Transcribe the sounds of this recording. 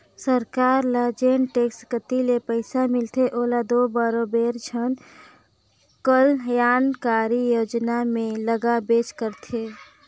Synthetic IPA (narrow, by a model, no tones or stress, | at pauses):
səɾkaːɾlad͡ʒenʈekskət̪ilepəɪsamɪlt̪ʰeʔoːlad̪obaɾobeːɾd͡ʒʰʱən | kəljaːnkaɾijoːd͡ʒnamẽləɡabeːt͡ʃkəɾt̪ʰe